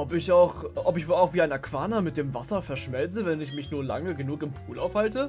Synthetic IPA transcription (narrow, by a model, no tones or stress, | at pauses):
ʔɔpɪçaʊxʔɔpɪçvoːlaʊxv̥iːaɪnakv̥aːnɐmɪt̚d̥eːmvasɐfɛɐʃmɛlt͡səvɛnɪçmɪçnuːɐla̰ŋəɡənuːkɪmpʰuːlʔa̰ʊfhaltə